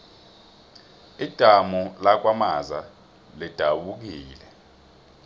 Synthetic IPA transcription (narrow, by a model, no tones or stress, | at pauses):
id̥ʱamɔlak̬wamaza | lid̥ʱaɓuk̬iːlɛ